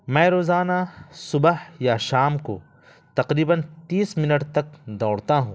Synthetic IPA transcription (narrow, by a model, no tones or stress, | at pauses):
mɛ̃ːɾoːzaːnasʊbhjaʃaːmko̰ | t̪ɐqɾiːbənt̪iːsmɪnəʈt̪ɐk̚d̪ɔːɽt̪aɦũː